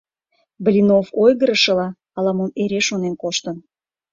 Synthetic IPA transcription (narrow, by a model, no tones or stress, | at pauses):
blʲinofojɣəɾəʃə̆lɑ | ɑlɑmoneɾeʃonenkoʃt̪ən